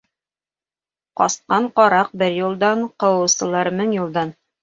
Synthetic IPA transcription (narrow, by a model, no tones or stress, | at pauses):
qɒsqɑɴqɒɾɑq̚bɘɾjulˠd̪ɑɴqɤ̆wɤ̆wsɤ̆lˠɑɾmɘŋjulˠd̪ɑn